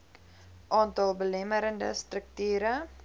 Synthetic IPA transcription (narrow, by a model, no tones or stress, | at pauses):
ʔɑːntɑlˠbəlɛməɾəndə̰strək̚tyːɾə